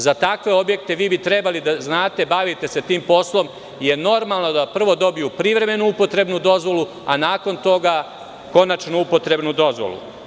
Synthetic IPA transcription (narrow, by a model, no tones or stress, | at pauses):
zat̪akʋe̞o̞bje̞k̚t̪e̞ʋiːbit̪ɾebalid̪aznaːt̪e̞baʋit̪e̞se̞t̪iːmpo̞slˠo̞m | je̞no̞ɾmalˠno̞d̪apr̩ʋo̞d̪o̞bijupɾiʋɾe̞me̞nuupo̞t̪ɾe̞bnud̪o̞zʋo̞lˠu | a̰naːko̞nt̪o̞ɡa | ko̞nat͡ʃnoupo̞t̪ɾe̞bnud̪o̞zʋo̰lṵ